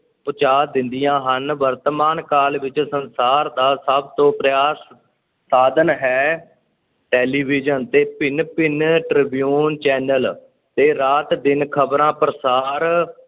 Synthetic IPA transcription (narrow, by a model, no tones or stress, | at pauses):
pʊt͡ʃaːd̪ɪ̃nd̪ɪjãːɦənʋəɾt̪əmaːnkaːlʋɪt͡ʃsənsaːɾd̪aːsəbt̪õːpɾəjaːsː | aːd̪ənɦɛː | ʈɛːliːbɪːd͡ʒənt̪eːpɪnpɪnʈɾɪbijuːnt͡ʃɛːnəl | t̪eːɾaːt̪d̪ɪnkʰəbɾãːpɾəsaːɾ